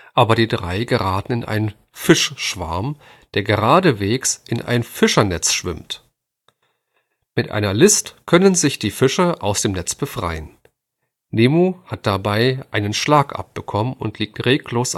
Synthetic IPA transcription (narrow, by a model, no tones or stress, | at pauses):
ʔaːbɐɾiːdʁaɪɡəʁaːtn̩ɪnʔa̰ɪnən | fɪʃʃv̥a̰ɐm | d̥eːɐɡəʁaːdəveːksʔɪnʔa̰ɪnfɪʃɐnɛt͡sʃv̥ɪ̰mt | mɪtʔa̰ɪnɐlɪstkʰœnənzɪçd̥iːfɪʃɐʔaʊsd̥eːmnɛt͡sb̥əfʁ̥a̰ɪən | neːmuːhat̚d̥abaɪʔaɪnənʃlaːkʔa̰p̚b̥əkʰɔmənʊ̰ntʰliːk̚tʁeːkloːs